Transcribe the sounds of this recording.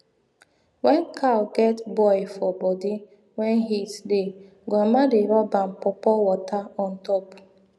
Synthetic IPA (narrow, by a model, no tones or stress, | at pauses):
wɛnkʰalɡɛtbɔɪfɔbɔdi | wɛnɦisde | ɡamadeɾɔbam̩pɔpɔwɔtaɔ̃n̩tɔp